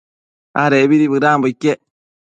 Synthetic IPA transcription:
aɾebiɾibɨɾaːmbikːe

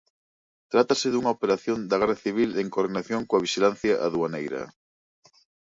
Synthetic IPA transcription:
t̪ɾat̪aseðuŋaopeɾaθjond̪aɣɛraθiβ̞ileŋkoɾðinaθjõŋkoaβ̞iʃilan̟θjaʔaðuanejɾɐ̰

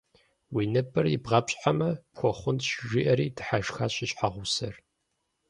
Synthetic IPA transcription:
wiːnɨpʰʼɨrjɪbʁɐpɕʼħamɐpxʷɔχʷʊntʃʒiʔɐɾiːdʰɨħaʒxaːɕɪɕʼħaʁʷʊsɐr

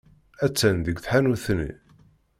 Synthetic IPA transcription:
æt͡sːænðəɡθħanuθnḭ

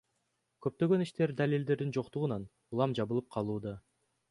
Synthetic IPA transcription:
køp̚t̪ø̞ɡø̞niʃt̪e̞ɾd̪alild̪e̞ɾd̪ind͡ʒo̞qt̪uʁunɑn | ulˠɑmd͡ʒɑβɯlˠɯp̚qʰɑlˠuːd̪ɑ

